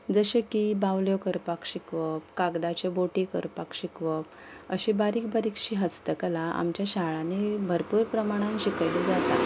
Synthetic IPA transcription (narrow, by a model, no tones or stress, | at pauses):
d͡zəɕekibawljokəɾpakɕikʋəp̚kaɡd̪at͡ɕeboʈikəɾpakɕikʋəp̚ | əɕibaɾiːk̚baɾikɕiɦət͡st̪əkəlaʔa̰mt͡ɕjaɕaɭanebʱəɾpuːɾpɾəmaɽ̃ãnɕikajled͡zat̪at̪